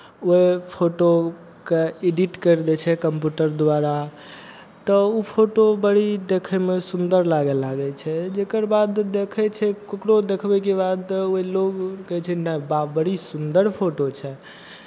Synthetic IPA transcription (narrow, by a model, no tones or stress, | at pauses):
oepʰoʈo | keeɖiʈkəɾd̪ɛt͡ʃʰɛkəmpjuʈəɾd̪waɾa | t̪ɔupʰoʈobəɽid̪ekʰɛmesund̪əɾlaɡɛlaɡɛt͡ʃʰɛd͡ʒekəɾbad̪ːekʰɛt͡ʃʰɛkokɽod̪ekʰbɛkebad̪oiloɡkɛt͡ʃʰɛnababəɽisund̪əɾpʰoʈot͡ʃʰɛ